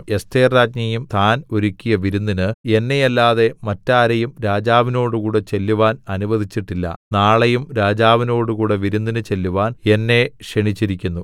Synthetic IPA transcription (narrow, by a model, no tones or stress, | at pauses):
est̪ʰeːrraːd͡ʑɲɐjumt̪ʰaːno̞ɾukʲːijɐʋiɾunːinɨe̞nːe̞jɐlːaːðe̞mɐtːaːɾɐjumɾaːd͡ʑaːʋino̞ːɽukuːɽe̞t͡ɕe̞lːuʋaːnɐnuʋɐðit͡ɕːiʈːilːɐ̰naːɭejumɾaːd͡ʑaːʋino̞ːɽukuːɽe̞ʋiɾunːinɨt͡ɕe̞lːuʋaːne̞nːe̞ʂeɳit͡ɕːiɾikʲːunːu